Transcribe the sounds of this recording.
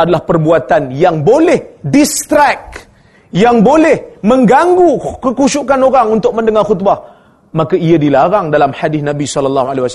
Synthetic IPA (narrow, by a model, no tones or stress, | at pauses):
adalahpərbuat̪anjaŋbolɛhdist̪ɾak̚ | jaŋbolɛhmə̃ŋɡaŋɡukəkuʃukanoɾaŋunt̪ʊk̚mə̃ndəŋarxut̪̚ba | makaiadilaɾaŋdalamħadɪθnãbisɔlːalːɑɦualewas